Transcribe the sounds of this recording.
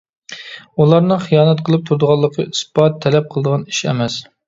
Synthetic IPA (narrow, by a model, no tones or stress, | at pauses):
ulˠɑɾnɨχijɑːnɛt̪qʰəlˠɨp̚t̪ʰuɾd̪əʁɑlˠːəqʰəispɑt̪ʰːɛlɛp̚qʰəlˠɨd̪əʁɑniʃɛ̰mɛs